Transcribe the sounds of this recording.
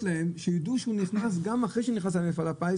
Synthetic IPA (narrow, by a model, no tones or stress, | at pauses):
laemʃejad̪uʃeuniχnas̬ɡamaχʁejʃeniχnaslaemlefalapaj